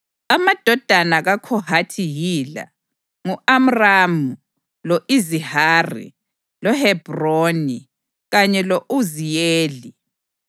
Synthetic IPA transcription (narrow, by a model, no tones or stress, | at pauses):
amad̥ʱɔd̥ʱanaɣakʰɔhatʰijiːla̰ | ŋuam̩ramu | lɔʔizihaːrḭ | lɔhɛb̥roni | ɣaɲɛloʔuzijeːli